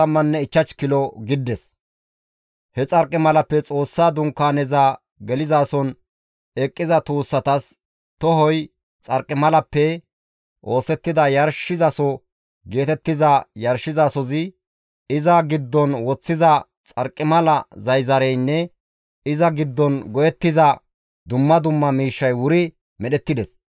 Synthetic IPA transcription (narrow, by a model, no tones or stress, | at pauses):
ɐmːɐnːɛɪt͡ʃːɐt͡ʃkɪlɔɡɪd̪ːɛs | hɛt͡sʼɐɾkʼːɪmɐlɐpːɛt͡sʼo̞ːsːaːd̪ʊŋkːaːnɛzaː | ɡɛlɪzaːsɔn | ɛkʼːɪzɐt̪uːsːɐt̪ɐs | t̪ɔɦɔj | t͡sʼɐɾkʼːɪmɐlɐpːɛ | ʔo̞ːsɛt̪ːɪd̪ɐjɐɾʃɪzɐsɔ | ɡe̞ːt̪ɛt̪ːɪzɐjɐɾʃɪzaːsɔzɪ | ɪzɐɡɪd̪ːɔnwɔt͡sːɪzɐ | t͡sʼɐɾkʼːɪmɐlɐzɐjzɐɾɛjnːɛ | ɪzɐɡɪd̪ːɔnɡɔjɛt̪ːɪzɐ | d̪ʊmːɐd̪ʊmːɐmiːʃːɐjwʊɾɪ | mɛɗɛt̪ːɪd̪ɛs